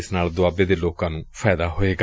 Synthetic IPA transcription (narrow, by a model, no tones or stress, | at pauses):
ɪsnaːld̪ʊaːbeːd̪eːloːkãːnũːpʰɛːd̪aːɦoːeːɡa